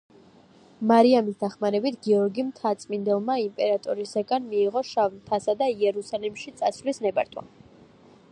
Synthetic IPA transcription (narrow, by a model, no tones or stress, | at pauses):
maɾiamisd̪aχmaɾɛbit̪ʰɡiɔɾɡimt̪ʰat̪sʼmind̪ɛlˠmaimpʼɛɾat̪ʼɔɾisaɡanmiːʁɔʃavnt̪ʰasad̪aiɛɾusalimʃit̪sʼasvlisnɛbaɾt̪ʰwa̰